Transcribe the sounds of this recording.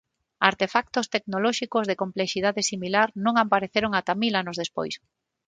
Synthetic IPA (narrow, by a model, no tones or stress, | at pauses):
aɾt̪efak̚t̪ʊst̪eknolɔʃikozðekompleʃiðaðesimilaɾnõŋampaɾeθeɾoŋat̪amilanozðespo̰js